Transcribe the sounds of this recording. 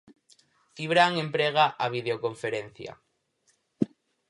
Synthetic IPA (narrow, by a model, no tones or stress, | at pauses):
iβɾaŋempɾeɣ̞aʔaβ̞ið̞eokoɱfeɾen̟θja̰